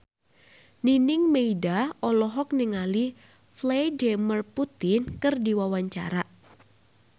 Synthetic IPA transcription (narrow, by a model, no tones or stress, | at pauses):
ninɪŋmeidaɔlɔɦɔk̚niŋali | flademərput̪ɪnkɨrdiwawaɲt͡ʃa̰ɾaʔ